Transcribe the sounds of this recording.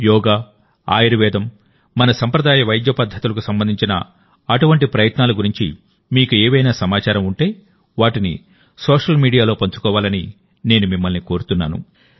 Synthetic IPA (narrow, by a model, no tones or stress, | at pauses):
jɔːɡaː | a̰ːjiɾuʋɛːd̪ɐmː | ɐnɐsɐmpɾɐd̪aːjɐʋɐjd̪jɐpɐd̪ʱːɐt̪ulɐk̬usɐmbɐnd̪ʱiɲt͡ʃinɐ̰ | ɐʈuʋɐɳʈipɾɐjɐt̪naːluɡuɾiɲt͡ʃi | miːkueːʋɐjnaːsɐmaːt͡ʃaːɾɐmuɳʈe̞ː | ʋaːʈinḭ | sɔːʂɐlmiːɖijaːlo̞ːpɐɲt͡ʃu̥kɔːʋaːlɐni | ne̞ːnumimːɐlniko̞ːɾut̪unːa̰ːnṵ